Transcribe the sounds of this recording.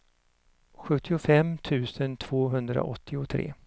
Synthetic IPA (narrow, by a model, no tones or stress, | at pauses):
ɧɵt̪ʰːɪʊfɛmːt̪ʰʉ̟ːsənt̪ʰv̥oːɦɵnd̪ɾa̰ʔɔt̪ʰːɪʊt̪ʰɾḛː